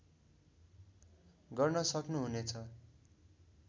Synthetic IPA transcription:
ɡʌrnʌsʌknuɦunet͡sʰʌ

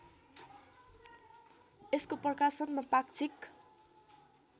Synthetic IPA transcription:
eskoprʌkasʌnmapakt͡sʰik

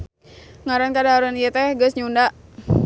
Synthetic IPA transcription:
ŋaɾankadaaɾanijət̪ɛhɡəsɲundaʔ

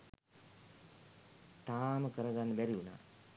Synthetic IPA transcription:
t̪aːməkəɾəɡanːəbæɾiuna̰ː

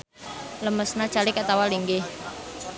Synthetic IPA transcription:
ləməsnḁt͡ʃalikat̪awaliŋɡe

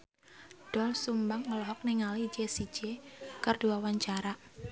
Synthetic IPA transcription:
ɖ̥ɔlsumbaŋːəlɔɦɔk̚nɪŋali̥d͡ʒesi̥d͡ʒ̥ekərd̥uawaɲt͡ʃaɾaʔ

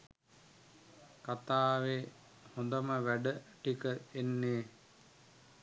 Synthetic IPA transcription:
kat̪aːʋe | hõnd̪əməʋæɖəʈikəenːeː

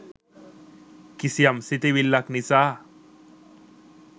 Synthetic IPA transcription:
kisjamsit̪iʋilːaknit͡sa

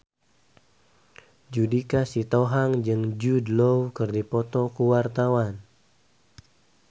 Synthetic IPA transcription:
d͡ʒudikasit̪ɔɦaŋd͡ʒɨŋd͡ʒudlowkərdipɔt̪ɔkuwart̪awan

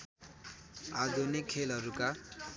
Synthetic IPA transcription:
ad̪ʱunikʰːelɦʌɾuka

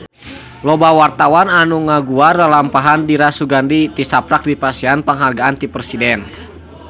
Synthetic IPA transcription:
lɔbawart̪awananuŋaɡuardalampaɦandiɾasuɡandit̪isapɾak̚dipasianpəŋɦarɡaant̪iprsidɛn

